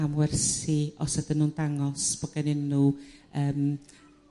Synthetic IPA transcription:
amwɛrsiʔɔ̰sat̪ənunt̪aŋɔspəkaninuʔəm

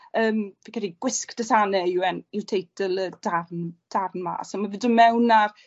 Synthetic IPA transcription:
əːmvikʰədiɡ̥wɪskd̥əsanɛɪwɛnɪwtʰejtəlˠəd̥arnd̥arnma̰ːsamavɪdəmɛwnar

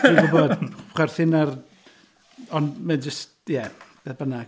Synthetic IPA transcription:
ibɔbɔdχwɛrθɪnar | ɔnmɛnd͡ʒəstjɛb̥ɛbənaɡ

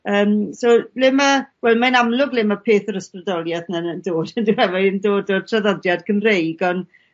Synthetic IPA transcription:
əːmsolɪməwɛlˠmajnamlˠʊɡlɪməpʰeːθəɾəsprədɔlˠjaθnənəndoːd̥əndɪɛvaəndoːdo̥tʰraðɔdjad̥kʰənrejɡɔn

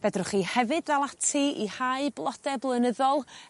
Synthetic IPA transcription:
vɛdrʊχihɛvɨdðalˠatʰiihaɨblˠɔdɛblˠənəðɔlˠ

